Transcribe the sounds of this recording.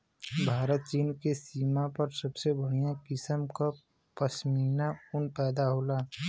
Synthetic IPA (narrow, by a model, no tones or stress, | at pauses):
bʱaːɾət̪̚t͡ʃiːnkesiːmapəɾsəbsebəɽ̤ijãkɪsəmka | pəsmiːnaʊnpɛːd̪aɦoːlaː